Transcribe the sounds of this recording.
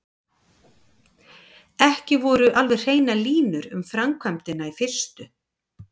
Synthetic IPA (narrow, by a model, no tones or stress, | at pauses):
ɛhcɪvɔɾʏʔalvɛj̥r̥eːjnaliːnʏɾʏmfɾamkʰvamt̪ɪnaifɪr̥st̪ʏ